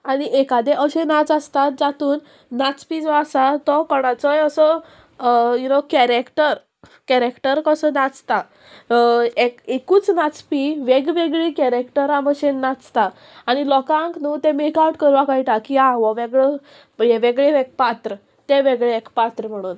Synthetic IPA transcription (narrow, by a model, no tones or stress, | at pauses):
aɽ̃iʔekad̪ɛʔəɕẽnat͡sast̪at̪̚d͡zat̪uːnː | at͡spid͡zɔasat̪ɔkɔɽ̃ãt͡sɔjəsɔ | junokɛɾekʈəɾ | kɛɾekʈəɾkəsənat͡st̪a | ekekuːt͡snat͡spiʋeɡʋeɡɭikɛɾekʈəɾaməɕẽnːat͡st̪a | aɽ̃ilɔkãŋknut̪ẽmekawʈkəɾʋakajʈakiaʋɔʋeɡɭe | jeʋeɡɭeʋeɡ̚pat̪ɾə | t̪eʋeɡɭeekpat̪ɾəm̤əɽ̃uːn